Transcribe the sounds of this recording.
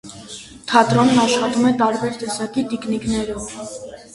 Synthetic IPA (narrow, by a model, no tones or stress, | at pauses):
t̪ʰɑt̪ɾɔnːɑʃχɑt̪umɛt̪ɑɾbɛɾt̪ɛsɑkit̪ikniknɛɾɔv